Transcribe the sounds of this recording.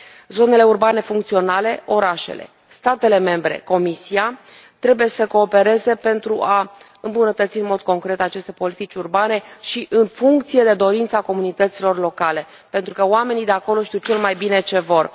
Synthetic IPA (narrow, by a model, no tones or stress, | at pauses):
zo̞ne̞le̞urbane̞fuŋk̚t̪sio̞nale̞o̞ɾaʃe̞̰le̞̰ | st̪at̪e̞le̞me̞mbɾe̞̰ko̞misia | t̪ɾe̞buje̞səko̞ːpe̞ɾe̞ze̞pe̞nt̪ɾuʔa | ɨmbunət̪ət̪siɨnmo̞d̪̚ko̞ŋkɾe̞t̪at͡ʃe̞st̪epo̞lit̪it͡ʃʲurbane̞ʃiʔɨnfuŋk̚t̪sije̞d̪e̞d̪o̞ɾint̪sako̞munit̪ət̪silo̞rlo̞kale̞ | pe̞nt̪ɾukəoame̞nid̪e̞ako̞lo̞ʃt̪iwt͡ʃe̞lmajbine̞t͡ʃe̞vo̞r